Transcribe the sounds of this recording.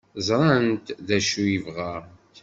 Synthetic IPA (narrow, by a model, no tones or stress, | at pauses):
zˤɾˤɑnt̪ðæʃujivʁa